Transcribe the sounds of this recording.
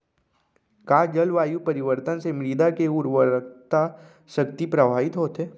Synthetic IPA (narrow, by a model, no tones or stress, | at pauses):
kaːd͡ʒəlʋaːjupɐɾɪʋəɾt̪ənsemɾiːd̪akeuɾʋəɾt̪a | ʃəkt̪ipɾəbʱaːʋɪt̪ɦoːt̪eː